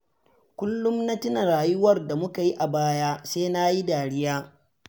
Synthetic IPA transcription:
kʷʊ˦lːʊ˦mna˦tɪ˦na˨ɾaː˨jʊ˦wɐ˦rda˨mʊ˦ka˨ji˦ʔa˨baː˦jaː˦seː˦na˦ji˦daː˨ɽɪ˦jaː˦

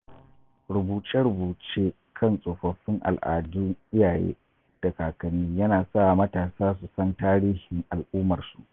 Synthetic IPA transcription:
ɽʊ˨buː˨t͡ʃɛ˦ɽʊ˨buː˨t͡ʃeː˦ | kʰɐ˦˨nsʼoː˨ɸɐ˨ɸɪ˦ŋʔa̰˨lʔa̰ː˨dʊ˦ŋʔɪ˦jaː˨jḛː˦ | d̥a˨kaː˨kɐ˨nɪ˦jɐ˦naː˨sa˦˨mɐ˦taː˨saː˦s̬u˨sɐ˦ntaː˦ɽiː˦hɪ˨ŋʔa˨lʔʊː˦mɐ˨rsu˨ʔ

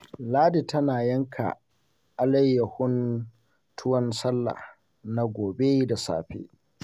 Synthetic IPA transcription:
laː˦di˨tɐ˦naː˨jɐ˦ŋkʰa̰˨ | ʔa˨lɐ˦jːɐ˨hʊ˦n | tʰʊ˦wɐ˦nsɐ˦lːa̰˨h | na˦ɡʷoː˨be˦da˨sa̰ː˦ɸḛ˦

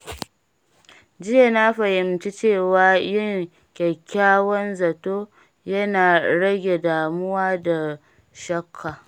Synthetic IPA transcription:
d͡ʒɪ˦ja˨na˦ɸɐ˨hɪ˨mt͡ʃi˦t͡ʃeː˦˨waː˨jɪ˦ŋ | kʲɛ˨kʲʰːaː˦wɔ˦nzɐ˨toː˦ | jɐ˦naː˨ɽɐ˦ɡʲe˨daː˨mʊ˦waː˦da˨ | ʃɐ˦kʰːaː˨

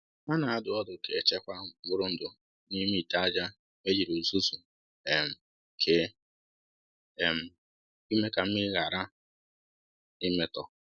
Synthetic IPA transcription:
ma˦na˨a˦dʊ˨ɔ˦dʊ˨ke˨e˨t͡ʃe˦kʷa˦˨ɡ͡bʊ˦ɾʊ˦n̩˨dʊ˨ | ni˦mi˦˨ta˦a˦d͡ʒa˦ | me˦d͡ʒi˨ɾu˨zu˦su˨ | e˨m̩˨ | kʰe˦˨ | m̩˨ | i˦me˦ka˨m̩˦ɪ˦ɣa˨ɾa˦ | i˦me˦tɔ˨

